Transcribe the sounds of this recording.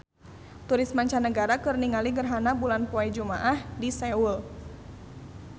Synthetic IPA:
t̪uɾismaɲt͡ʃanəɡaɾakɨrniŋaliŋɡərɦanabulanpuajd͡ʒuma̰ʔahdisɛul

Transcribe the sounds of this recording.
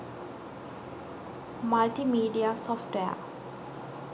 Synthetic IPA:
malʈimiːɖiasɔfʈʋeə̰

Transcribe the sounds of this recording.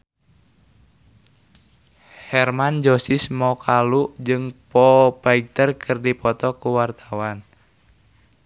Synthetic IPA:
hɛrmand͡ʒɔsɪsmɔkʰalud͡ʒɨŋpɔpaiɡ̚t̪ərkʰɨrdipɔt̪ɔkuwart̪awan

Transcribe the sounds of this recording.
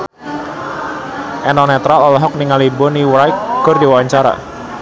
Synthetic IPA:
ʔɛnɔnɛt̪ɾalɔlɔɦɔk̚niŋalibɔniwɾajk̚ɡ̥ʊ̤rdiwawaɲt͡ʃaɾa̰

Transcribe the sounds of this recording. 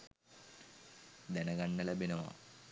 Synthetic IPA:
d̪ɐnɐɡɐɳːɐlɐbʱinɐma̰ː

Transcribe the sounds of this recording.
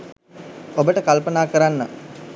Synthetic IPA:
obəʈəkalpənaːkəɾanːə̰

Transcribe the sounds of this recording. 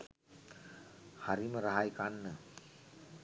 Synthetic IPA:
haɾiməɾaɦajkanːə

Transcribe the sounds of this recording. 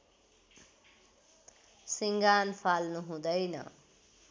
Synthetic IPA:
siŋɡanpʰalnuɦũd̪ʌjnʌ̰

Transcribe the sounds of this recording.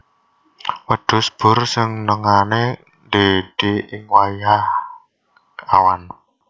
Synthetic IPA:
wəɖ̥ʊ̤sb̥ʊ̤rsɪŋnəŋane | nd̪ed̥iɪŋwajah | a̰wan

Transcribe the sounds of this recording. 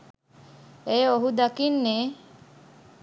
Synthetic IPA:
ejoɦud̪akinːeː

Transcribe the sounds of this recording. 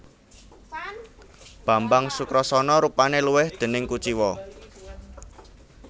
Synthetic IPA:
b̥ä̤mbaŋsukɾɔsɔnɔɾupaneluwɪhd̪̥e̤nɪŋkut͡ʃiwɔ

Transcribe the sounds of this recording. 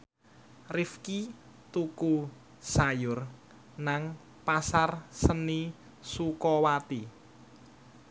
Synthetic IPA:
rifki | t̪uku | sajʊr | naŋ | pasarsəni | sukɔwat̪i

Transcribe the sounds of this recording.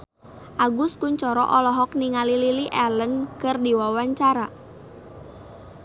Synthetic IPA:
ʔaɡʊskʊɲt͡ʃɔɾɔ̰ʔɔlɔɦɔk̚niŋalililiʔɛlənkərdiwawaɲt͡ʃaɾa

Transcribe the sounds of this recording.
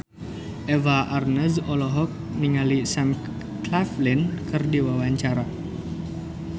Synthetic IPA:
ʔɛvaʔarnəzɔlɔɦɔk̚niŋalisam | klaflinkɨrdiwawaɲt͡ʃaɾa

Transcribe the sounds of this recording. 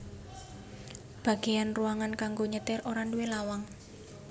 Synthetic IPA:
b̥a̤ɡ̥e̤janruaŋankaŋɡoɲət̪ɪɾoɾanduwelawaŋ

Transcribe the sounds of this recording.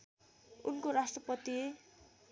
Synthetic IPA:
ṵnkoɾasʈrʌpʌt̪ie

